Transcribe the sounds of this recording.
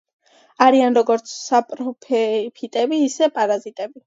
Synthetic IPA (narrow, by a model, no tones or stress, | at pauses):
aɾianɾɔɡɔɾt̪sʰsapʼɾɔpʰɛpʰit̪ʼɛbiːsɛpʼaɾazit̪ʼɛbi